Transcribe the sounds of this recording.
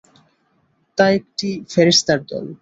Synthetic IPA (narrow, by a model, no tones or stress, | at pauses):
t̪aek̚ʈifeɾest̪aɾd̪ɔ̰l